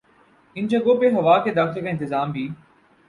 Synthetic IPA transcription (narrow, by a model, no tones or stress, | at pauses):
ɪnd͡ʑɐɡopeɦɐʋaːked̪aːxɪlkaɪ̃nt̪ɪzaːmbʱiː